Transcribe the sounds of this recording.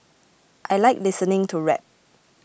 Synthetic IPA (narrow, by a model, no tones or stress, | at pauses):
ʔajlaɪk̚lɪsənɪ̃ŋtʰuɹɛ̰p̚